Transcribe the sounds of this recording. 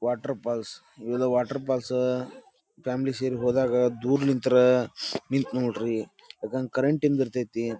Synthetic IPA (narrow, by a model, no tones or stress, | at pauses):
ʋaːʈɐɾpaːls | ʋelɐʋaːʈɐɾp̬aːls | pʰaːmliseɾiɦoːd̪aːɡɐd̪uːɾlint̪ɾɐnint̪noʈɾi | lɐkɐnkɐɾeɳʈimd̪iɾt̪ajt̪i